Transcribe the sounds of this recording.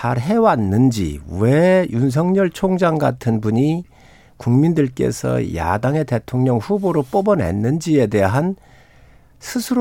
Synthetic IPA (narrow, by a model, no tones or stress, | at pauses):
aɾɦe̞wanːɯnd͡ʑḭwejuns̬ʰʌŋɲʌɭt͡ɕʰoŋd͡ʑaŋɡa̰tʰɯnbuɲi | kuŋmindɯɭk͈e̞̰sʰʌ̰ja̰daŋe̞te̞tʰoŋɲʌŋɸuboɾop͈obʌnɦe̞̰nːɯnd͡ʑie̞de̞ɦan | sʰɯsʰɯɾ